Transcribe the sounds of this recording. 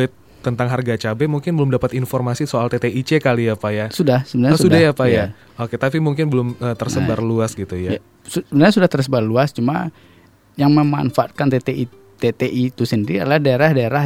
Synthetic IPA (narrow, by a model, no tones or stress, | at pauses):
ɪt̪ːənt̪aŋɦarɡat͡ʃabɛmuŋkɪnbəlʊmdapat̪infɔrmasisoalt̪et̪eʔit͡ʃekaliapajasudahsəbənarɲasudajapaja | oket̪apimuŋkɪnbəlʊməːt̪ərsəbarluasɡit̪ujaa | susəbənarɲasudaht̪ərs̬əbarluast͡ʃuma | jaŋməma̰nfaʔat̪̚kant̪et̪eʔi | t̪et̪eʔit̪usəndiɾiadlahdaeɾahdaeɾa